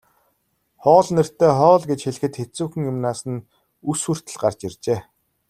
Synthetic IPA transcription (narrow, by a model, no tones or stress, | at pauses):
χɔːɮnɘ̆r̥t̪ːeːχɔːɮɡet͡ɕxeɮɘ̆xɘ̆t̪xet͡suːxɘ̆ŋjʊmnaːsə̆n | usŭr̥t̪ɘ̆ɮɢart͡ɕirt͡ɕeː